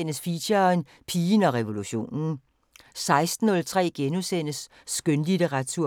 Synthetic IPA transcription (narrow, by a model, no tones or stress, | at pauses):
nəsfiɕɐn | pʰiːnɒ̽ʁɛʋo̝luɕo̝̰ːnn̩ | sɑ̈ɪsd̥n̩ɔ̽lt͡sʰʁɛ̰ːɡ̥enusen̰əsː | ɡ̥ønlid̥əʁɑt͡sʰuɐ̰